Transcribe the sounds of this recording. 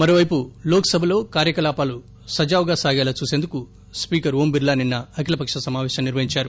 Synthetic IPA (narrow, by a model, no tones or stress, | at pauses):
mɐɾoːʋɐjpuloːkɐsɐbʱɐlo̞ːkaːɾjɐkɐlaːpaːlu | sɐd͡ʒaːʋɡaːsaːɡɛːlat͡ʃuːseːnd̪uku | spiːkɐɾɦoːmbiɾlaːninːɐɐkilɐpɐkʂɐsɐmaːʋɛːʃɐmniɾʋɐɦiɲt͡ʃaːɾu